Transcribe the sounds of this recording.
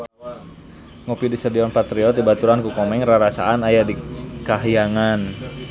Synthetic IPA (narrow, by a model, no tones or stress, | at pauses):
ŋɔpidisədiɔnpat̪ɾiɔt̪̚dibat̪uɾankukɔmɛŋraɾasa̰ʔanajadikaɦjaŋan